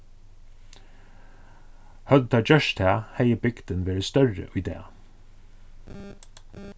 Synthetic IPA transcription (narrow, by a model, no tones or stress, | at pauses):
hœd̪ət̪ʰɑːd͡ʒœʃt̪ʰæːhæɪəbɪɡd̪̥ənʋeːɾəst̪œɹə̰ʔʊːd̪ḛː